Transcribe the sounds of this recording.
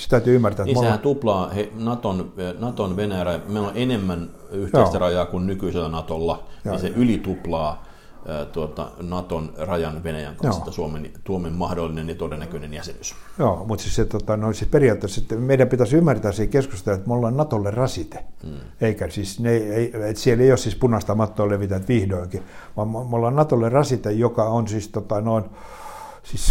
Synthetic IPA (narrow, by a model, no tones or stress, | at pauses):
se̥t̪æyt̪yːymːært̪æetnimoehæt̪uplɑːhenɑt̪onnɑt̪onʋenæjærɑjɑmeioleʔenemːæn | yht̪j̪oeːst̪ærɑjɑːkunnykyiselːænɑt̪olːɑjoiseʔylit̪uplɑː | t̪uot̪ɑ̰nɑt̪onrɑjɑnʋenæjæ̰ŋkɑjost̪ːɑsuoment̪uomemmɑhdolːinenɑt̪odenːækønenjæsḛs | joːmut̪sisset̪ot̪ɑnoisisperiɑˑt̪ːeset̪ːemeidæmpit̪æsymːært̪æːsiːkeskust̪elet̪molːɑnnɑt̪olːerrɑsit̪e̥ | eikæsisneieiet̪sieleiossispunɑst̪ɑmɑt̪ːoːleʋit̪æt̪ʋihdoiŋkiʋɑmmmolːɑnnɑt̪olːerɑsit̪ejokɑonsist̪ot̪ɑnoin | sis